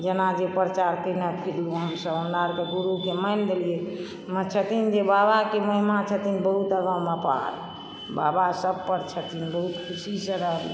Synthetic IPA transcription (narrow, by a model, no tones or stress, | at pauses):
d͡ʒenad͡ʒepɾət͡ʃaɾkənəkpʰiɾluɦəmsəbundaɾkeɡuɾukeməjnd̪elije | mət͡ʃʰət̪ind͡ʒebabakeməɦimat͡ʃʰət̪inbəɦut̪əɡəməpa̰ɾ | ba̰basəbpəɾt͡ʃʰət̪inbəɦut̪kʰusisə̃ɾəɦb